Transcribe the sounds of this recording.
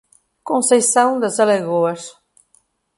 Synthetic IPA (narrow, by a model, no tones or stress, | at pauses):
kõnsejsãwd̪ɐzɐleɣoɐs